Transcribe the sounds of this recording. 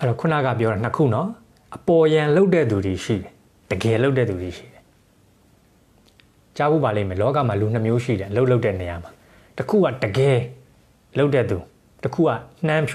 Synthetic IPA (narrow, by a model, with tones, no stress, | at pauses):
ʔɛ˦ɾɔ˨kʰʊ˦na̰˦˨ɡa̰˦˨p̬jɔ˦ɾɛ˨n̥əkʰṵ˦˨nɔ˦ | ʔəpɔ˨jã˨lo˦ʊtɛ̰˦˨d̪u˨d̪i˨ʃḭ˦˨ɾɛ˨ | d̥əɡɛ˨lo˦ʊt̬ːɛ˦˨d̪u˨d̪i˨ʃḭ˦˨ɾɛ˨ | t͡ɕa˦bṵ˦˨ba˨lẽ˦˨mɛ̃˨lɔ˦ka̰˦˨ma˨lu˨n̥nəmjo˦ʃḭ˦˨ɾɛ˨ʔəlo˦ʊʔlo˦ʊtːɛ˦˨nə˨ja˨ma˨ | təkʰṵ˦˨ɡa̰˦˨dəɡɛ˨ | lo˦ʊtɛ˦˨u˨ | təkʰṵ˦˨ɡa̰˦˨n̥ã˦mpʰ